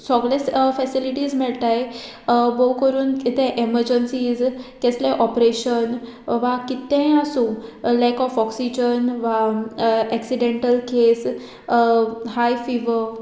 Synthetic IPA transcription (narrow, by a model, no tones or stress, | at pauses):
sɔɡɭefɛsiliʈiːzmiɭt̪aj | bowkəɾuːnkit̪ʰẽʔeməɾd͡ʑənsizkɛslẽʔɔpɾeɕən | ʋakit̪ẽasũlakɔfɔksid͡ʑənʋa | ɛksiɖẽɳʈəlkʰes | hajfiʋə